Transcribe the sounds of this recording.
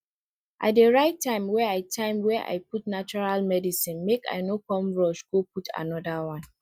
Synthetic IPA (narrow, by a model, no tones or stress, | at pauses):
ʔa̰t̚deɹaɪtʰːãɪ̃mwɛaɪtʰãɪ̃mwɛʔa̰ɪputnat͡ʃuɹalmɛdisĩnmeka̰ɪnokɔ̃mɹɔʃɡoputʰa̰nɔdawãn